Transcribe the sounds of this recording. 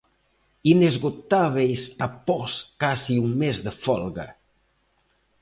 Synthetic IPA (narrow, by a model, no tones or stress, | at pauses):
inezɣot̪aβ̞ejsapɔskasiuŋmezðəfɔlɣa̰